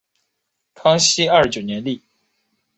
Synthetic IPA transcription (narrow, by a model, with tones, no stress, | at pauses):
kʰɑ˥ŋɕi˥a˞˥˩ʂt͡ɕjo˨˩ʊnjɛ˧˥nli˥˩